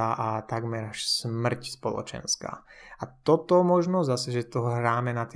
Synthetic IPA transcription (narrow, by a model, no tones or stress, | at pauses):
aʔat̪aɡmɛɾaʃsmr̩cspɔlɔ̰t͡ʃɛ̰nska̰ː | at̪ɔt̪ɔmɔʒnɔzasɛʒɛt̪ɔɦɾaːmɛnat̪